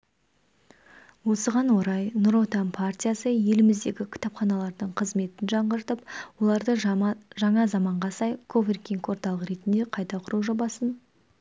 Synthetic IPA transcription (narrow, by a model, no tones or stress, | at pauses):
wo̞səʁɑnwo̞ɾɑjnʊɾo̞t̪ɑmpʰart̪ʲijasəje̞lɪmɪzd̪e̞ɡʲɪkʲʰɪ̥t̪ɑpχɑnɑlˠɑɾd̪əɴqʰəzme̞t̪ɪnʒɑɴʁəɾt̪əpwo̞lˠɑɾd̪əʒɑɴɑzɑmɑɴʁɑsɑjkʰoverkʲiŋko̞ɾt̪ɑlˠəqɾe̞t̪ɪnd̪e̞qʰɑjt̪ɑqʰʊɾuʒo̞bɑsən